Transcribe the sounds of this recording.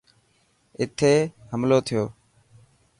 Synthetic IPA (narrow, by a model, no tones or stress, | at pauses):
ɪt̪ʰeːhəmloːt̪ʰɪjoː